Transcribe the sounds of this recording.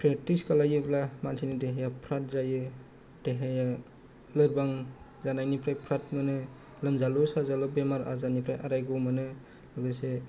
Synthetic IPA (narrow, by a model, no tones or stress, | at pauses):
pʰɾetiskalajɯblamansʰinideɦejapʰɾat̚zajɯ | d̥eɦeja | lɯɾbaŋ | zanajnipʰɾajpʰɾat̚mɯnɯ | lɯmzalɔsazalɔbemaɾa̰zanipʰɾajaɾajɡɔmanɯ | lɯɡɯse